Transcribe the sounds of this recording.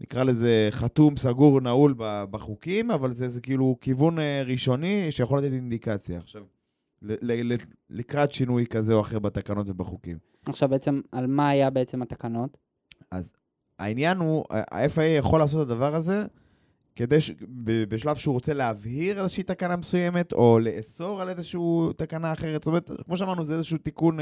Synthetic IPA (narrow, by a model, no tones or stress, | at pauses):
nḭkʁale̞ze̞χat̪umsaɡuʁnaulbabaχukimavalzezekiilukivuneʁiʃo̞niʃejaχo̞lat̪etind̪ikat͡sjaːχʃav | lelele | likʁat̪ʃinujkazeoaχe̞ʁbat̪akano̞t̪ve̞baχukim | aχʃavbeet͡semalmaːjabeet͡semat̪akanot | a̰z | a̰injanṵa̰efaejaχo̞laːs̬o̞t̪ad̪avaʁaze̞ | ke̞d̪ejʃbebeʃlavʃeuʁo̞t͡se̞leavhiʁelezeʃeit̪akanamesujeme̞t̪o̞le̞ʔeso̞ʁalezeʃut̪akanaːχeʁet̪stomeet̪kmo̞ʃ̬eamaʁnuzeezeʃuut̪ikun